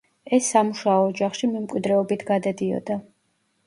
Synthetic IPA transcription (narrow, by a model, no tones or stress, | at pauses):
ɛsːamuʃaɔːd͡ʒaχʃimɛmkʼwid̪ɾɛɔbit̪ʰɡad̪ad̪iɔ̰d̪a